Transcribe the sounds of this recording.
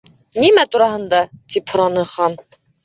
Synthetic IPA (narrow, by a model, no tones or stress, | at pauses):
nimæt̪ʰuɾɑɦɤ̆nd̪ɑt̪ʰiphʊɾɑnɯχɑn